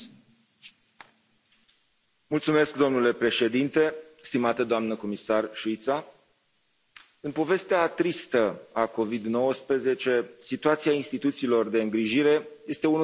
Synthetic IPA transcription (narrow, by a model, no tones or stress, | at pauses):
mult̪sume̞sk̚d̪o̞mnule̞pɾe̞ʃe̞d̪int̪e̞st̪imat̪əd̪oamnəko̞misarʃuit̪sa | ɨnpo̞ve̞st̪eat̪ɾist̪əako̞vid̪no̞wəspɾəze̞t͡ʃe̞sit̪uat̪siainst̪it̪ut̪siːlo̞rd̪e̞ɨŋɡɾiʒiɾe̞je̞st̪e̞un